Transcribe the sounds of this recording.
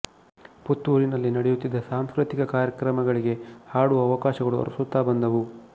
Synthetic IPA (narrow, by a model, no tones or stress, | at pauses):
put̪ʋuɾinɐlːinɐɽejut̪ːid̪ːɐsaːmskɾɨt̪ikɐkaːɾjɐkɾɐmɐɡɐɭiɡe̞haːɽuɐʋɐkaːʃɐɡɐɭuɐ̰ɾusut̪ːaːbɐnd̪ɐʋu